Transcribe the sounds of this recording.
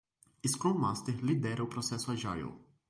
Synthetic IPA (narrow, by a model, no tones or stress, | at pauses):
iskɔlmast̪ɛlid̪ɛɾɛwpɾɔsɛsʊaʒajo̰w